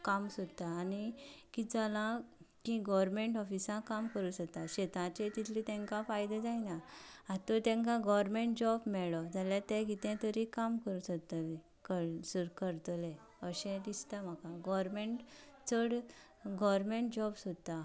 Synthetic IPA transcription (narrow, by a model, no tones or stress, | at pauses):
kamsot̪aːnikid͡zalãkĩɡɔʋəɾmẽɳʈɔfisãkamkəɾuːsəkt̪aɕet̪ãt͡ɕet̪it̪ʰlit̪ɛ̃ŋkãfajd̪ed͡zainaãt̪ɔt̪ɛ̃ŋkãɡɔʋəɾmẽɳʈ̚d͡ʑɔbmɛɭɔd͡zaljat̪ɛ̃ɡit̪ɛ̃t̪əɾikamkəɾusət̪ai | kəɾsəɾkəɾt̪əlɛ̃ | əɕɛ̃d̪ist̪am̤akãɡɔɾmeɳʈ | t͡səɽ | ɡɔʋɾmeɳʈd͡ʑɔbsot̪a